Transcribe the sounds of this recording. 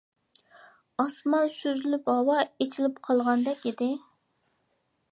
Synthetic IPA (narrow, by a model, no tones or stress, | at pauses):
ɑsmɑnsøzlyphɑwɑet͡ʃʰilɪp̚qʰɑlˠʁɑnd̪ɛkʲid̪ɪ